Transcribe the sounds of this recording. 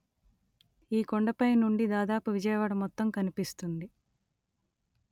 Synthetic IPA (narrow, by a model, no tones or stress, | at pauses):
iːkoɳɖɐpɐjnuɳɖid̪aːd̪aːpuʋid͡ʒɐjɐʋaːɽɐmɔt̪ːɐmkɐnipist̪und̪i